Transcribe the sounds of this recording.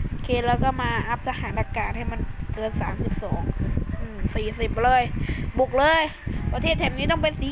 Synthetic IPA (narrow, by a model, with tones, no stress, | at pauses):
kʰeː˧˥t̪̚lɛː˦˥wkɔː˥˩maː˧ʔa˦˥p̚sʰa˧haː˩˦nda˧kaː˧nha˥˩jma˧˥nkɤː˧nsaː˩˦msi˨˩p̚sɔː˩˦ŋʔɯː˧˩siː˨˩si˨˩p̚lɤː˧˩jbu˨˩k̚lɤː˧j | pɾa˧t̪ʰeː˥˩t̪ʰːɛː˨˦mniː˦˥t̪ɔ˥˩ŋpe˧nsiː˨˦